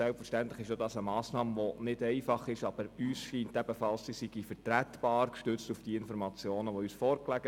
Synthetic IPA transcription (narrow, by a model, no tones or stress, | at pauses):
sɛlpfəɾʃtænt̪ləχɪʃodɑsəmɑːsnɑːmʋonɪdɛɪfɑχɪʃɑb̥əɾyːsʃiːntæb̥əfɑlssisiɡ̥ifəɾtɾæt̪b̥ɑːɾkʃtʏt͡stufd̥iːəɪnfɔɾmɑt͡sjoːnəʋɔyːsfɔːɾklæɡə